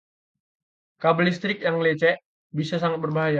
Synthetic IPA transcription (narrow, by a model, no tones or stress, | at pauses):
kabəlist̪ɾɪk̚jaŋlet͡ʃɛʔ | bisasaŋat̪̚bərbaɦaja